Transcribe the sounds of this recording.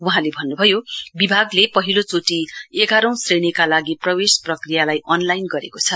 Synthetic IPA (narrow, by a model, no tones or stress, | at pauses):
wuɦãlebʱʌnːubʱʌjobibʱaɡlepʌɦilot͡soʈieɡʱaɾʌ̃w̃sreñikalaɡiprʌwesprʌkrijalajʔʌnlajnɡʌɾekot͡sʰʌ